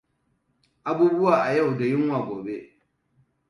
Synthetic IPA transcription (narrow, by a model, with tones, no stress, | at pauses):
ʔa˨buː˦bʊ˦waː˨ʔa˨jɐ˦˨wda˨jɪ˦ŋwaː˨ɡoː˨be˦